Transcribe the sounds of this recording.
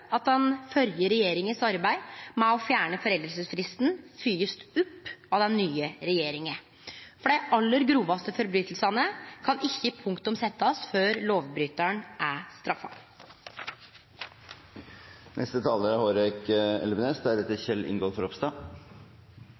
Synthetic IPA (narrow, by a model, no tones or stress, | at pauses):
ɑt̪̚d̪ɛnfœɾjəɾɛjeːɾɪŋəsɑɾbæɪmɛɔfjæːɳəfɔɾɛld̪əlsəsfɾɪst̪n̩fyːəst̪ʉpːɑd̪ɛnːyːəɾɛjeːɾɪŋə | fɔɖæɪʔɑlːəɾɡɾuːʋɑst̪əfɔɾbɾyːt̪lsɑnəkʰɑnɪçːəpʰʊŋkt̪ʊmsɛt̪ːəɔsføːɾloːʋbɾyːt̪əɳʔæst̪ɾɑfːɑ̰ | nʔɛ̰st̪ət̪ʰɑːləɾhoːɾɛkɛ̰lʋəneːsd̪æɾɛt̪ːəçɛlːʔɪ̰ŋɡoːlfɔɾɔpst̪ɑ